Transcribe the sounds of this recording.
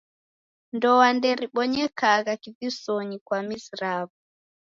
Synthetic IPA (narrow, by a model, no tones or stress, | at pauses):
ndɔwandɛɾiɓɔɲɛkaɣakivisɔɲikwamisiɾaβu